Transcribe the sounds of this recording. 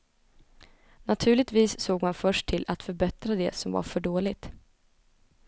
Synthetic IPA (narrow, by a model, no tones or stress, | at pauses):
nat̪ʰʉ̟ːlɭɪt̪viːsːoːɡmanfœʂʈʰɪlʔat̪fœɾbɛt̪ɾad̪ɛ̰sɔmva̰ɾfœɖoːlɪt̪